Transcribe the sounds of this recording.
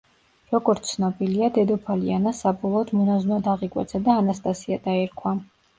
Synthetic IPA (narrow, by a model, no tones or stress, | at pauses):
ɾɔɡɔɾt̪ssʰnɔbiliad̪ɛd̪ɔpʰalianasabɔlˠɔːd̪mɔnaznad̪aʁikʼwɛ̰t̪sʰad̪aːnast̪ʼasiad̪aɛɾkʰwa